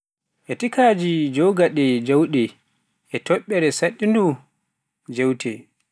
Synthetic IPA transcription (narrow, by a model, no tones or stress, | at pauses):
ʔɛtikaːd͡ʒid͡ʒɔɡaɗɛd͡ʒawɗɛ | ʔɛtɔɓːɛɾɛsaɗːindu | d͡ʒewtʰɛ̰